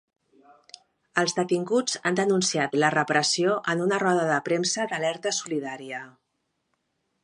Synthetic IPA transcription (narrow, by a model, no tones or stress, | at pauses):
əlˠzðət̪iŋɡud͡zand̪ənunsiat̪lərəpɾəsioʔənunərɔðəðəpɾemsəd̪əlɛɾt̪əsuliðaɾiə